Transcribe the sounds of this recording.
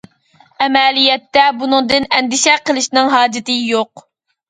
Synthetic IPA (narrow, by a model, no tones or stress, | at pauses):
ɛmɛlijɛt̪ːɛbunɨŋd̪ɨnɛnd̪ɪʃɛqəlˠɨʃnɪŋɦɑːd͡ʒɪt̪ɪjoq